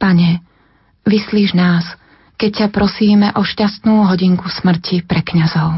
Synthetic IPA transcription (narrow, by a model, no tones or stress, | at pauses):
paɲɛ | ʋisliːʒnaːs | kɛc̚cːapɾɔsiːmɛʔɔʃcast̪nuːɦɔɟiŋkusmr̩cipɾɛkɲazɔʊ